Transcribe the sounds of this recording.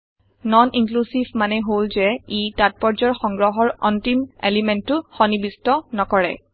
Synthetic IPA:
nɔniŋklusivʱmanɛɦolzɛitat̚pɔɹzɔɹxɔŋɡɹɔɦɔɹɔntimḛlimɛntːʊxɔnibistɔnɔkɔɹɛ̰

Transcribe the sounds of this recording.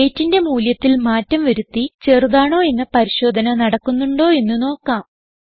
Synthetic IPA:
e̞ːtːinde̞muːljɐt̪ːilmaːtːɐmʋɐɾut̪ːit͡ɕe̞ːrðaːɳo̞ːe̞nːɐpɐɾiɕo̞ːd̪ʱɐnɐnɐɽɐkːunːuɳɖo̞ːe̞nːuno̞ːkːaːm

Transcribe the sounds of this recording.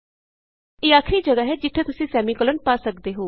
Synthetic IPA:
eːaːkʰɾiːd͡ʒəɡaːɦɛːd͡ʒɪʈ̪ʰːeːt̪ʊsĩːsɛːmiːkələnpaːsəkd̪eːɦoː

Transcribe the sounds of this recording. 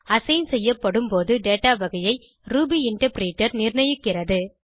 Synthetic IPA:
ɐsɐjnsɛjːɐpːɐɽɯmpoːðɯɖeːʈaːʋɐɣɐjɐɪ | ɾuːbiɪɳʈɐɾpɪɾiːʈːɐɾnɪɾɳɐjɯkːɪrɐðɯ

